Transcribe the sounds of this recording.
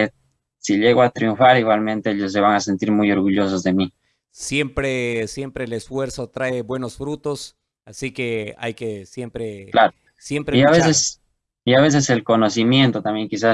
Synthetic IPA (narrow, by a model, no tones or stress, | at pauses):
e | siʎeɣoat̪ɾijuɱfaɾiɣwalmẽ̞nt̪eeʎos̬ːe̞βaŋase̞nt̪iɾmujo̞ɾɣuʎo̞s̬ozðe̞mi | sje̞mpɾesje̞mpɾelesfwe̞ɾso̞t̪ɾae̞bwe̞no̞sfɾut̪o̞s | asike̞a̰jke̞sjempɾelaɾo | sje̞mpɾeiaβesses | iaβe̞s̬e̞se̞lko̞no̞simje̞nt̪ot̪ambje̞ŋkisa